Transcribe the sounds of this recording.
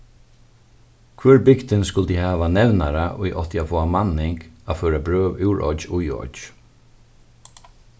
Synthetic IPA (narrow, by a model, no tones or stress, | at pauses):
kʰvœɹbɪkt̪ɪnskʊlt̪ihaːʋanɛvnaɾaʔʊ̰jʔɔ̰ht̪jafɔːamanːɪŋkafœːɾabɾøːʋɪwɹʔɔ̰t͡ʃʊjɔ̰t͡ʃ